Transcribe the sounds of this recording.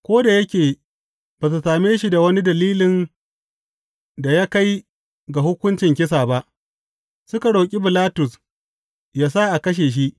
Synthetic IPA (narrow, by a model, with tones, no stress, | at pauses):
kʷoː˦da˨jɐ˦kʲeː˨ | b̥a˨s̬u˨saː˨meː˦ʃi˦da˨wɐ˦ni˦dɐ˨liː˦lɪ˨n | da˨ja˦ka˦j | ɡa˨hʊ˦kʷʊ˦nt͡ʃɪ˨ŋk̬ʲɪ˦s̬aː˨ba˦ʔ | sʊ˦ka˨ɽa˨kʲʼi˦bɪ˨laː˦tʊ˨s | jaː˦sa˦ʔa˨kɐ˦ʃ̬eː˨ʃ̬i˦ʔ